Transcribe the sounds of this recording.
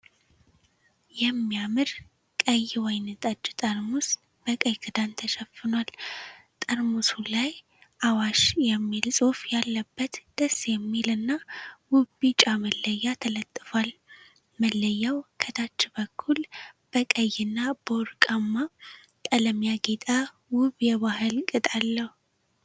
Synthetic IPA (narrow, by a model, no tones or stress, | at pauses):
jɛmːijamɨɾ | kʼəjːwɛjnɨt̪ʼat͡ʃːt̪ʼəɾmus | b̥əkʼəjkʼɨd̪ant̪ʰəʃɛfːɨnwalt̪ʼəɾmusulaj | ʔawaʃjɛmːilsʼofjalːəbːət̪d̪̥əsːjɛmːilɨnːawʊbit͡ʃʼaməlːəjːat̪ʰələt̪ʼːɨfal | məlːəjːawkʰəd̪at͡ʃːbəkʰːulb̥əkʼəjːɪnːab̥əwʊɾkʼamːa | t̪ʼələmjaɡet̪ʼa | wʊβjɛβahɨlkʼɨt̪ʼalːəhu